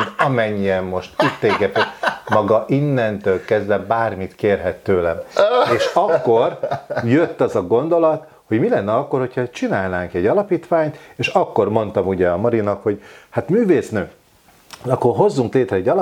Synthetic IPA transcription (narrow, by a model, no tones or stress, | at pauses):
ɒmɛɲːiɛmːo̞ʃt̪it̪ːeːɡɛt̪ɛmɒɡɒʔinːɛnt̪øːlkɛzdɛbaːrmit̪keːrɦɛt̪ːøːlɛmeːʃɒkːo̞rjøt̪ːɒzɒɡo̞nd̪o̞lɒt̪ | ho̞ɟmilɛnːɛɒkːo̞rho̞chɒt͡ʃinaːlnaːŋkɛɟːɒlɒpiːt̪ʋaːɲt̪eːʃɒkːo̞rmo̞nt̪ɒmuɟɛɒmɒɾinɒkho̞ɟhat̪myːveːsnøː | ɒkːorɦo̞zːuŋkleːt̪rɛɛɟːɒl